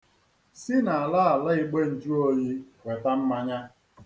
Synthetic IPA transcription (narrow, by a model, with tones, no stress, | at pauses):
sɪ˦na˨a˨la˦a˨la˦ɪ˦ɡ͡be˦n̩˨d͡ʒu˦o˦ji˦wʷe˨ta˦m̩˦ma˦ɲa˦